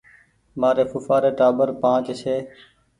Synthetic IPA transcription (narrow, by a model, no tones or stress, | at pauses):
maːɾeːfʊfaːɾeːʈaːbəɾpãːt͡ʃseː